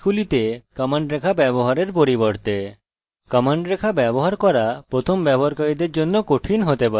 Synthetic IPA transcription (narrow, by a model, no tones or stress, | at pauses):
kʰulit̪ekɔmaɳɖɾekʰabɛboɦaɾeɾpoɾiboɾt̪e | kɔmaɳɖɾekʰabɛboɦaɾkɔɾapɾot̪ʰombɛbʱoɾkaɾid̪eɾd͡ʑonːokoʈʰinɦot̪epa